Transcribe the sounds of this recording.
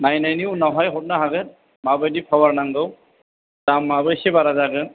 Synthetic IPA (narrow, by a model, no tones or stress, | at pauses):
najnajniwnaɦajɦɔt̚naɦaɡɯ | mabajdipʰawaɹnaŋɡɯw | damːabɯjsɛbaɾazaɡɯn